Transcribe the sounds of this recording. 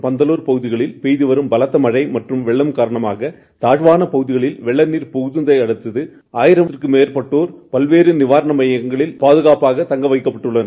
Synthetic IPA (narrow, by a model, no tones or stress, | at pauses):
pɐnd̪ɐloːɾpɐɣɯðɪɣɐɭɪlpeːjðɯʋɐɾɯmbɐlɐt̪ːɐmɐɻɐɪmɐʈrɯmʋɛɭːɐmkaːɾɐɳɐmaːɣɐ | t̪aːɻʋaːnɐpɐɣɯðɪɣɐɭɪlʋɛɭːɐnːiːɾpʊɣɯðɯnd̪ɐɪɐɽɯt̪ːɐðɯ | aːjɪɾɐɪrkɯmeːɾpɐʈːoːɾpɐlʋeːɾɯnɪʋaːɾɐɳɐmɐjɐŋɡɐɭɪlpaːðɯɣaːpaːɣɐt̪ɐŋɡɐʋɐɪkːɐpːɐʈːɯɭːɐnɐ